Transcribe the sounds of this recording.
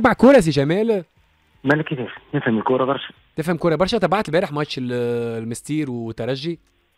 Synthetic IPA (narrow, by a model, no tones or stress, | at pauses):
baʕkoːɾˤæs̬iʒæmæːl | mælekːit̪iːɾnefhæmɪlkoːɾˤɑbɑɾˤʃɑ̥ | t̪efhæmkoːɾˤɑbɑɾˤʃɑt̪ˤɑbaʕt̪bæːɾeħmɑt̪ʃellmest̪iːɾwet̪ːɑɾˤɑʒːi